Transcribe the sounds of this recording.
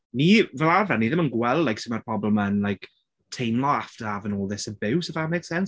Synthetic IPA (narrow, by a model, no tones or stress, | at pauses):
niːvɛlavɛniðɪmənɡwɛlˠdlajksɪmarpʰɔblmənlajk | tʰejnlɔaftəavənoːlˠðɪsəbɪwsəθamejksɛns